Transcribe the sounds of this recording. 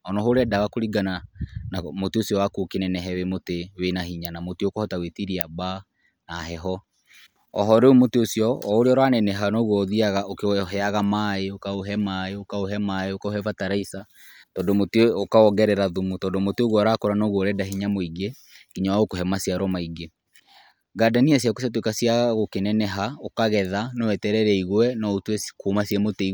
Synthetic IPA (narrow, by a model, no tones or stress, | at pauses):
ɔnɔɦoɾɛdawakoɾiɡananamoteosjɔwakukenɛnɛɦɛwemotewenaɦiɲanamoteokɔhɔtawetiɾiaba | naɦɛɦɔ | ɔ̰ɦɔɾeumoteosjɔːoɾeɔɾwanɛnɛɦanoɣwɔðiaɣaokɦɛaɣamaeokaoɦɛmaeokaoɦɛmaeokaohɛvataɾaisa | tɔːndomoteokaɔɡɛɾɛɾaðumutɔːndomoteoɣwɔɾakoɾanoɣwoɾɛdaɦiɲamoiɡe | kiɲawaɣokoɦɛmasiaɾɔmaiɡe | ɡadanias̬jakosjat̬wekasiaɣaɣokenɛnɛɦaokaɣɛðanowɛtɛɾɛɾɛiɣwɛnɔotwekuːmasɛmoteiɣ